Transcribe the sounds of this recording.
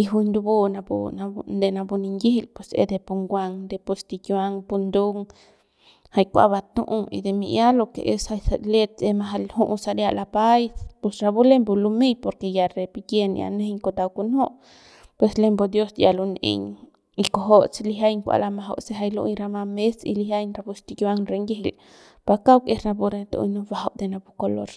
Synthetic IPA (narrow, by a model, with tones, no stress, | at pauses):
i˧ɦu˧ɲd̪u˧bu˦˧na˧bṵ˧nand̪e˨na˧bu˧ni˧ŋɡi˦hi˧˨lpwe˨sḛ˧d̪e˧pu˧ŋɡʷa˧ŋd̪e˧po˧st̪i˧kjwa˧ŋpu˧nd̪u˦ŋ | ha˧jkʷa̰˧ba˧t̪ũ˧ʔu˧ḭ˧d̪e˧mḭ˧ʔja˦lo˧ke˨ʔe˧sa˧jsa˧le˧t̪̚e˧ma˧ɦa˧lhu˦˧ʔsa˧ɾja˧ʔla˧pa˦jspe˧sɾa˧bu˦le˦mbu˧lu˧me˦˧jpo˧ɾke˧ja˨ɾe˧pi˧ɡje˦˧n̰˧a̰˨ne˦hɲko˧t̪a˧wku˧nho˦ʔ | pwe˧sle˧mbo˧d̪jo˦sja˨lo˧nḛ˧ɲ | i˧ko˧ɦo˦ʔse˧li˧ɦa˦jŋkʷa̰˧˨la˧ma˧ɦo̰˧wse˦ɦa˧jlṵ˧ɲɾa˧ma˧me˦sḭ˧li˧hja˦jnɾa˧bu˧st̪i˧ka˧ŋɾe˧ŋɡi˦ɦi˨l | pa˧ka˦wke˦sɾa˧bu˧ɾe˧t̪o̰˧nu˧ba˧ɦo˧ʔd̪e˧na˧bu˦ko˧lo̰˧ɾ